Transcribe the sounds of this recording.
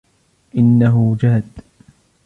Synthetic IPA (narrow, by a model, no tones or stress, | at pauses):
ʔɪnːaɦʊd͡ʒaːd̪